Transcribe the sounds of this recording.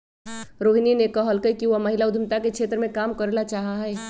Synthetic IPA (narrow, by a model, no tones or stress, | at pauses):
ɾoːɦininekəɦəlkəkiʋomɐɦɪlaʊd̪ʱəmt̪akekt͡ʃʰeːt̪ɾəmẽkaːmkəɾlat͡ʃaːɦaɦɛː